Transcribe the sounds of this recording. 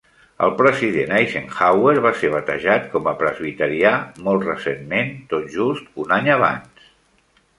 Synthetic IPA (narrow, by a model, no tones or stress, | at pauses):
ə̰lˠpɾəziðenajʃenxaweɾβaseɾβət̪ə̰ʒat̪̚kɔməpɾəzβit̪əɾiamɔlˠt̪rəsenment̪ot̪ʒust̪unaɲəβ̞a̰ns